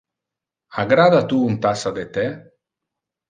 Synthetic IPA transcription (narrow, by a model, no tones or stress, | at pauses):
aɡɾad̪at̪uːnt̪asad̪et̪e